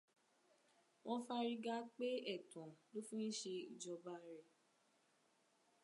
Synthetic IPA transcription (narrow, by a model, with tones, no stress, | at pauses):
w̃ʔɔ̃˧fa˦ɾi˦ɡa˦k͡pe˦ɛ˦˨tɔ̃˨lo˦fĩ˦n̩˦ʃe˧i˨d͡ʒɔ˧ba˧˦ɾɛ˨